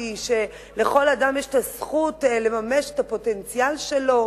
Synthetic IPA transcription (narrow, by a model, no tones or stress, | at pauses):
iʃe̞ | le̞χo̞ladamjeʃe̥tasχutle̞mameʃetapo̞te̞nt͡sialʃe̞lo̞